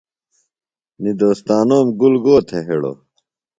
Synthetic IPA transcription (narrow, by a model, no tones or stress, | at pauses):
nid̪oːst̪aːnoːmɡulɡoːt̪ʰeɦeɽo̰